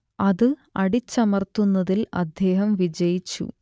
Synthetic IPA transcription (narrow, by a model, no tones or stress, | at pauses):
ɐðɨɐɽit͡ɕːɐmɐrt̪unːɐðilɐ̰d̪ʱje̞ːɦɐmʋid͡ʑɐjit͡ɕːṵ